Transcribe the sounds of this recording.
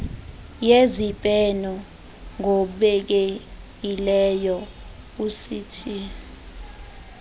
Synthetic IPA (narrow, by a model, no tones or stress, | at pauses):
jezipʼɛnɔ | ŋouɓɛk̬e | ilɛjɔ | usiːtʰi